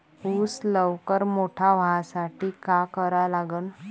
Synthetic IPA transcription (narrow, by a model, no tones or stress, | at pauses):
uːsləʋkəɾmoʈʰaʋasaʈiːkakəɾalaɡən